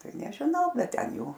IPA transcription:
ˈtɐɪ nʲɛʒʲɪˈnɐʊ ˈbʲɛt ˈtʲɛn ˈjɛʊ

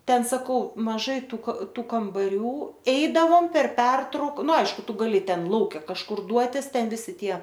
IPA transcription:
ˈtʲɛn sɐˈkɐʊ mɐˈʒɐɪ ˈtuː kɐ ˈtuː kɐmbɐˈrʲuː ˈɛɪdɐʋoːm pʲɛr ˈpʲɛrtrɐʊk ˈnʊ ˈɐɪʃkʊ ˈtʊ ɡɐˈlʲɪ ˈtʲɛn ˈlˠɐʊkʲɛ kɐʃˈkʊr ˈduɔtʲɪs ˈtʲɛn ˈʋʲɪsʲɪ ˈtʲiɛ

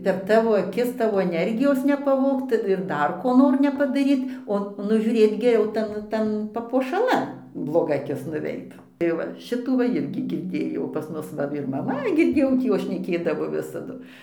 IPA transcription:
pʲɛr ˈtɑːʋoː ɐˈkʲɪs ˈtɑːʋoː ɛˈnʲɛrʲɡʲɪjoːs nʲɛpɐˈʋoːkt ɪr ˈdɐr koː ˈnoːr nʲɛpɐdɐˈrʲiːt oː nʊʒʲuːˈrʲeːt ɡʲɛˈrʲɛʊ ˈtɐn ˈtɐn pɐpuɔʃɐˈlˠɐn blˠoːˈɡɐ ɐˈkʲɪs nʊˈʋʲɛɪt tɐɪ ˈʋɐ ˈʃʲɪtuː ʋɐ ˈɪrʲɡʲɪ ɡʲɪrʲˈdʲeːjɛʊ pɐs ˈmʊs ʋɐ ɪr mɐˈmɐ ɡʲɪrʲˈdʲeːjɛʊ ˈtʲiː ˈjoːs ʃʲnʲɛˈkʲeːdɐʋoː ˈʋʲɪsɐdʊ

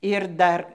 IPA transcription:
ɪr ˈdɐr

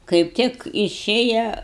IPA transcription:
kɐɪp ˈtʲɪk ɪˈʃʲeːjɛ

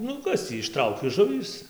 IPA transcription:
ˈnʊ ˈkɐs tʲiː ɪʃˈtrɐʊkʲɪ ˈʒʊʋʲiːs

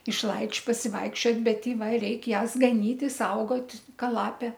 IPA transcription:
ɪʃˈlˠɐɪt͡ʃʲ pɐsʲɪˈʋɐɪkʃʲt͡ʃʲoːtʲ bʲɛt ɪ ˈʋɐ ˈrʲɛɪkʲ ˈjæːs ɡɐˈnʲiːtʲɪ ɪ ˈsɐʊɡoːtʲ ˈkɐ ˈlˠɑːpʲeː

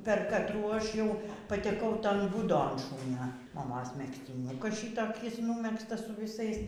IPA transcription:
pʲɛr kɐtˈruː ˈɐʃ ˈjɛʊ pɐtʲɛˈkɐʊ ˈtoːn ˈbuːdoːn ˈʃuːnʲoː mɐˈmoːs mʲɛksʲtʲɪˈnʲʊkɐs ˈʃʲiːtoːkʲɪs ˈnuːmʲɛkstɐs sʊ ʋʲɪˈsɐɪs

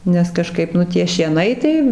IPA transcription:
nʲɛs kɐˈʃkɐɪp ˈnʊ tʲiɛ ʃʲiɛˈnɐɪ tɐɪ

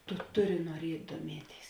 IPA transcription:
tʊ ˈtʊˌrʲɪ nuɔˈrʲiɛtʲ duɔˈmʲiɛˌtʲeːɪs

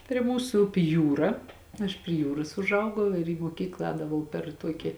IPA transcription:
pʲrʲiɛ ˈmuːsʊ ˈʊpʲɪ ˈjuːrɐ ɐʃ pʲrʲiɛ ˈjuːroːs ʊʒˈɐʊɡɐʊ ɪr iː moːˈkʲiːklˠɑː ˈɛːdɐʋɐʊ pʲɛr ˈtuɔkʲɪ

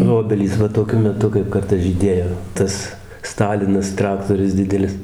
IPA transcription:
nʊ ˈoːbʲɛlʲiːs ˈʋɐ toːˈkʲʊ mʲɛˈtʊ kɐɪp ˈkɐrtɐs ʒʲiːˈdʲeːjoː ˈtɐs ˈstɑːlʲɪnɐs ˈtrɑːktoːrʲʊs ˈdʲɪdʲɛlʲɪs

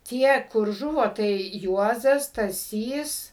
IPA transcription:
ˈtʲiɛ kʊr ˈʒʊʋoː tɐɪ ˈjuɔzɐs stɐˈsʲiːs

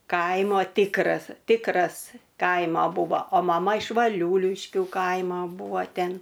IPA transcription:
ˈkɐɪmoː ˈtʲɪkrɐs ˈtʲɪkrɐs ˈkɐɪmɐ ˈbʊʋoː oː mɐˈmɐ ɪʃ ʋɐˈlʲuːlʲɪʃʲkʲuː ˈkɐɪmoː ˈbʊʋoː ˈtʲɛn

